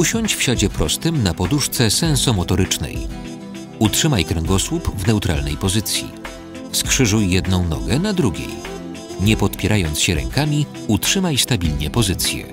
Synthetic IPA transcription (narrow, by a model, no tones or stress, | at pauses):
uɕɔɲt͡ɕfɕad͡ʑɛpɾɔst̪ɘmnapɔd̪uʂt̪sɛsɛñsɔmɔt̪ɔɾɘt͡ʂnɛ̰j | utʂɘmajkɾɛŋɡɔswupvnɛut̪ɾʔa̰lnɛ̰jpɔzɘt̪sʲjḭ | fskʂɘʐujːjɛd̪nɔ̃w̃nɔ̰ɡɛnad̪ɾuɡʲḛj | ɲɛpɔt̪pʲjɛɾajɔntsɕɛɾɛ̰ŋkamʲi | utʂɘmajst̪abʲilɲɛpɔzɘt̪sʲjɛ̰